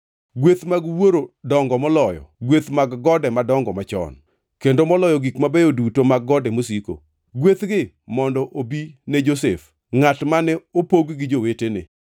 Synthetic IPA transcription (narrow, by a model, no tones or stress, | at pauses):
ɡwet̪maɡwoɾodɔŋɡɔmɔlɔjɔ̰ɡwet̪maɡːɔdɛmadɔŋɡɔmat͡ʃɔ̰n | kendomɔlɔjɔɡikmabejodutomaɡːɔdɛmosiko̰ | ɡwet̪ɡɪ | mɔndɔʔobined͡ʒosef | ŋatmanɛopoɡɡɪd͡ʒowetenɪ̰